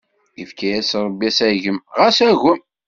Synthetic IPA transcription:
ifkæjæsɾˤəbːiæsæʝəmʁæsæɣəm

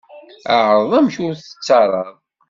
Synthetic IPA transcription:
aʕɾˤəðˤæmʃʊɾθə̥t͡sːɑɾˤɑðˤ

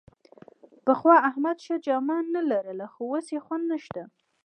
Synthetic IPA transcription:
pəxwɑahmad̪ʃad͡ʒɑmɑnːalaɾəlaxowosjexwand̪nəʃt̪a

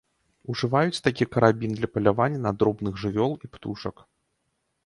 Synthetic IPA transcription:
uʐɨvajut͡sʲt̪ak̬ʲikɐɾabʲind̪lʲɐpɐlʲavanʲːɐnad̪ɾɔbnɨɣʐɨvʲɔlˠipt̪uʂɐk

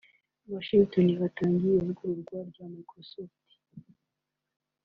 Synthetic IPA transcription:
waʃiŋtoniβataːŋɡijeuɡuɾuɾɡwaɾɟamakosoti̥

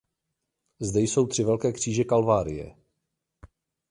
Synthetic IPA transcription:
zdɛjso̞wt̪r̝̥ɪvɛlkɛːkr̝̥iːʒɛkalvaːɾɪjɛ̰

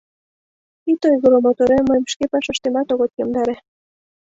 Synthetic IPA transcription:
it̪ojɣoɾomot̪oɾeməmʃkepɑʃɑʃt̪emɑt̪oɣot̪jomd̪ɑɾe

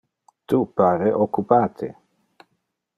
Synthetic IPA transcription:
t̪upaːɾeʔokupaːt̪ʰḛ

